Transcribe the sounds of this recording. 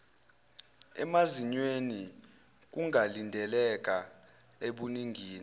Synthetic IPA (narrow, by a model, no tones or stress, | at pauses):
ɛ̰maziɲweni | k̬uŋʱalindʱɛlɛk̬ʼa | eɓuniŋɡʱiːni